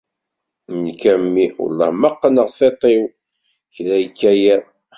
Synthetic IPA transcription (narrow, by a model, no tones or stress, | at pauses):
nkæmːiʊ̰lːɑ̰məqːənəʁθet̪ˤew | çlæjkːæjæ